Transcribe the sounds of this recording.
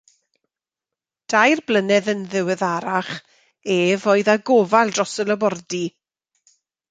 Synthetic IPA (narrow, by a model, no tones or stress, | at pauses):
d̥ajrblənɛðənðɪwɛðaɾaχ | eːvoɨðaɡoːvalˠdrɔsələbɔrdi